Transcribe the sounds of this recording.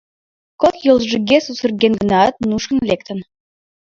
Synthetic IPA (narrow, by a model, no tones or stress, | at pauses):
kokjolˠʒɨ̆ɡʲesusə̆rɡʲenɡə̆nɑt̪̚nuʃkə̆nlʲek̚t̪ə̆n